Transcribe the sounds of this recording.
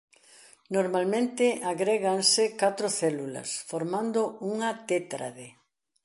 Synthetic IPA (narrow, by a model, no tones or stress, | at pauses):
noɾmalmẽnt̪ɪaɣɾeɣaŋsɪkat̪ɾʊθɛlulɐ̰sfoɾmãnd̪ouŋɐt̪et̪ɾa̰ðe